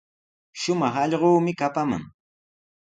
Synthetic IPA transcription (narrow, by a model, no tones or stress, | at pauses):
ʃʊmɑχɑʎɢoːmɪkapama̰ŋ